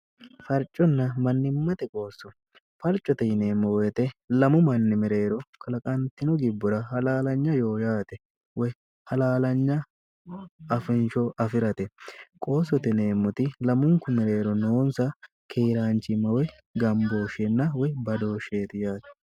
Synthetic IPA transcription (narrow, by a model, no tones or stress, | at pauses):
fɐɾt͡ʃʼɔnːɐmɐnːɪmːɐt̪ɛkʼo̞ːsːɔ | fɐɾt͡ʃʼɔt̪ɛjɪne̞ːmːɔwjɛt̪ɛlɐmʊmɐnːɪmɪɾe̞ːɾɔkʰɐlɐkʼɐnt̪ɪnɔɡɪbːʊɾɐhɐlaːlɐɲːɐjo̞ːjaːt̪ɛ | wɔj | hɐlaːlɐɲːɐ | ɐfɪnʃɔɐfɪɾɐt̪ɛkʼo̞ːsɔt̪ɛne̞ːmːʊt̪ɪlɐmʊŋkʊmɪɾe̞ːɾɔnoːnsɐ | kʰeːɾaːnt͡ʃʼːɪmɐwɔj | ɡɐmbo̞ːʃɛnːɐwɔjbɐd̪o̞ːʃeːt̪ɪjaːt̪ɛ̥